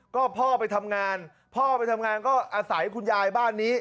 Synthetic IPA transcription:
kɔː˥˩pʰɔː˥˩pa˧jt̪ʰa˧mŋaː˧n | pʰɔː˥˩pa˧jt̪ʰa˧mŋaː˧nkɔː˥˩ʔaː˧sa˩˦jkʰu˧njaː˧jbaː˥˩nːiː˦˥

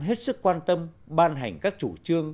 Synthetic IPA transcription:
ɦe˦˥t̚sɨ˦˥k̚kwaː˧nt̪ə˧m | ɓaː˧nɦa˨˩jŋ̟kaː˦˥k̚t͡ɕu˧˩t͡ɕɨ˧əŋ

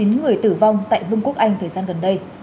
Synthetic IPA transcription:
i˨˦nŋɨ˨˩əjt̪ɨ˧˩va˧wŋ͡mt̪a̰ː˧˨jvɨ˧ŋku˦˥ək̚ʔa˧jŋ̟t̪ʰəː˨˩jzaː˧nɣə˨˩nɗə˧j

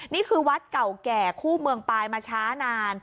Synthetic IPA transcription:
niː˥˩kʰɯː˧wa˦˥t̪̚ka˨˩wkɛː˨˩kʰuː˥˩mɯ˧əŋpaː˧jmaː˧t͡ɕʰaː˦˥naː˧n

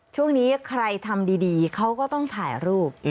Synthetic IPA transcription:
t͡ɕʰu˥˩əŋniː˦˥kʰɾa˧jt̪ʰa˧mdiː˧diː˧kʰa˦˥wkɔː˥˩t̪ɔ˥˩ŋt̪ʰaː˩˦jɾuː˥˩p̚

